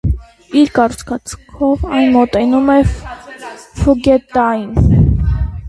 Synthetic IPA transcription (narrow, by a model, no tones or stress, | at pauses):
iɾkɑrut͡sʰkʰɑt͡skʰɔvɑnmɔt̪ɛnumɛ | fuɡɛt̪ɑjin